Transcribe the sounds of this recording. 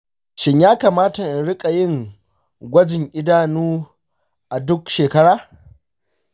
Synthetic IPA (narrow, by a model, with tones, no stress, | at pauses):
ʃɪ˨ɲjaː˦kaː˨maː˦ta˨ʔɪ˨nɽɪ˦kʼa˨jɪ˦˨ŋ | ɡʷɐ˦d͡ʒɪ˨ŋʔɪ˦daː˦˨nuː˦ | ʔa˨dʊ˦kʃeː˨kɐ˦ɽaː˦